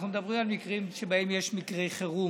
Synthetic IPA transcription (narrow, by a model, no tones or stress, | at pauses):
χnumed̪abʁimalmikʁimʃebaemjeʃmikʁejχeʁu